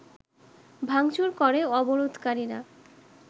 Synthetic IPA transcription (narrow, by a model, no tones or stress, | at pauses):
bʱaŋt͡ɕuɾkɔɾeɔboɾod̪ʱkaɾiɾa̰